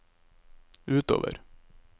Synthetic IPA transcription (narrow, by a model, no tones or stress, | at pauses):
ʉːt̪o̰ːʋə̰ɾ